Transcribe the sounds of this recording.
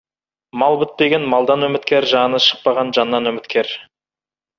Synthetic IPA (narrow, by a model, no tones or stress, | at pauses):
mɑlˠbɪt̪̚pe̞ɡʲenmɑlˠd̪ɑnwɵmɪt̪kʲe̞ɾʒɑnəʃə̥q̚pɑʁɑnʒɑnːɑnwɵmɪt̪kʲe̞ɾ